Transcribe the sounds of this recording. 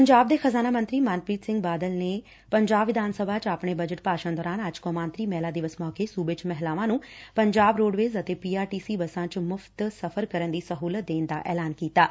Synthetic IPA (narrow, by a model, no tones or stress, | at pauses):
pəɲd͡ʒaːb̚d̪eːxəzaːnaːmə̃nt̪ɾiːmaːnpɾiːt̪sɪ̃ŋɡ̚baːd̪əlneː | pəɲd͡ʒaːbʋɪd̪ʱaːnsəbʱaːt͡ʃapɳeːbəd͡ʒəʈpaːʃãːd̪ɔːɾaːnəd͡ʒkõːmaːnt̪ɾiːmɛːlaːd̪ɪʋəsmɔːkeːsuːbet͡ʃmɛɦlaːʋãːnũːpəɲd͡ʒaːbɾoːɖʋeːzət̪eːpiːaːɾʈiːsiːbəsãːt͡ʃmʊpʰt̪səfʰəɾkəɾənd̪iːsəɦuːlət̪̚d̪eːnd̪a̰ːʔɛ̰ːlaːnkiːt̪aː